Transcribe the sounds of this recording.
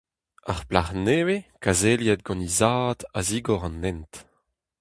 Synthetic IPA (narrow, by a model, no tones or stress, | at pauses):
aʁplaʁnewekazeljɛd̪̚ɡɑ̃nizaːd̪aziːɡɔʁɑ̃nːɛnt